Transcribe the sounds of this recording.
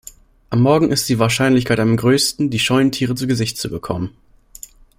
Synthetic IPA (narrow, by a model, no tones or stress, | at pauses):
ʔamːɔɐɡŋ̩ʔɪstd̥iːvaːɐʃaɪnlɪç̬kʰaɪtamɡʁøːstn̩diːʃɔʏəntʰiːʁət͡suɡəzɪçt̚t͡subəkʰɔ̰mən